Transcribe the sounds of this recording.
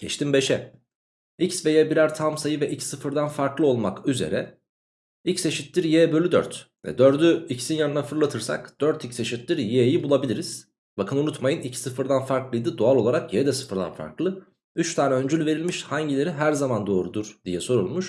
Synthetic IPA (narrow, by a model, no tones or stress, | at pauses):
ɟ̥ɛt͡ʃt̪imbe̞ʃɛ | icsve̞jɛbiɾæɾt̪ʰamsajɯvɛʔicsɯfɯɾd̪anfaɾklˠɯo̞lˠmakyze̞̰ɾɛ | icse̞ʃit̪lʲiɾjeːbølʲyd̪ø̰ɾt̪ | vɛ̰d̪øɾd̪yicʰi̥sinjanɯnafɯɾlˠat̪ʰɯɾsa̰kd̪̥øɾt̪ʰicʲse̞ʃit̪lʲiɾjejibulˠabilʲiɾiz̥ | bakʰɯnunut̪majɯnicʰsɯfɯɾd̪anfaɾklˠɯjd̪ɯd̪oalˠo̞lˠaɾakjed̪ɛsɯ̥fɯɾd̪a̰nfa̰ɾklˠɯ | yt͡ʃt̪ʰaːnɛønd͡ʒylʲyve̞ɾilʲmiʃhaɲɟilʲe̞ɾiɦæɾzamand̪o̞ːɾud̪uɾd̪̥ijɛso̞ɾulˠmuʃ